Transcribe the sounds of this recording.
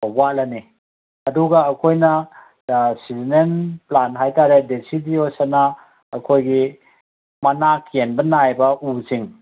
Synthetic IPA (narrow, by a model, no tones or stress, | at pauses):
obatlɐni | ɐduɡɐːkʰojnɐ | sizinenplanɦajtaɾedesidiosanɐ | ɐkʰojɡi | mɐnakjenbɐnajbɐʔuziŋ